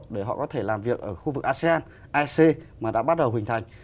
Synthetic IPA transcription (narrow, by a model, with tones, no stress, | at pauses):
k̚ɗe˧˩ɦɔ̰˧˨kɔ˨˦t̪ʰe˧˩laː˨˩mvi˨˩ək̚ʔəː˧˩xu˧vɨ˨˩k̚ʔaː˧se˧aː˧n | ʔaː˧se˧maː˨˩ɗa̰ː˧˥ɓa˦˥t̚ɗə˨wɦï˨˩ŋ̟t̪ʰa˨˩jŋ̟